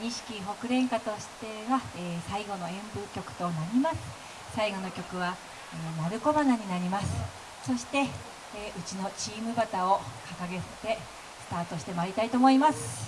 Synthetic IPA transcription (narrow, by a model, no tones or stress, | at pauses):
ɲ̟iɕi̥kʲiɦo̞kɯ̟ɾẽ̞ŋkat̪o̞ɕi̥t̪e̞βaeːsaiɡo̞no̞ẽ̞mbɯkʲo̞kɯ̟̥t̪o̞naɾʲimasɨ̥ | saiɡo̞no̞kʲo̞kɯ̟βa | enaɾɯ̟ko̞banaɲ̟inaɾʲimasɨ̥ | so̞ɕi̥t̪e̞ | ʔɯ̟t͡ɕino̞t͡ɕiːmɯ̟bat̪ao̞kakaɡe̞se̥t̪e̞ | sɨ̥t̪aːt̪o̞ɕi̥t̪e̞maɾʲit̪ait̪oːmo̞imasɨ̥